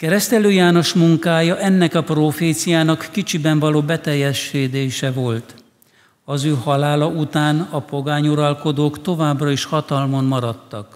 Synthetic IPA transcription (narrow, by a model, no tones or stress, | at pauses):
kɛɾɛst̪ɛløːjaːno̞ʃmuŋkaːjɒʔɛnːɛkɒproːfeːt̪sijaːnɒkːit͡ʃibɛɱvɒloːbɛt̪ɛjːɛʃːeːd̪eːʃɛvo̞lt̪ | ɒzøːhɒlaːlɒut̪aːnɒpo̞ɡaːɲuɾɒlko̞d̪oːkt̪o̞vaːbrɒiʃhɒt̪ɒlmonmɒɾɒt̪ːɒk